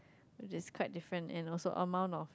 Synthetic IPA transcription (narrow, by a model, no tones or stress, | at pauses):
wɪt͡ʃɪskʰwaɪt̚difɹə̃nɛ̰̃nɔlsoʔəmãʊ̃nɔf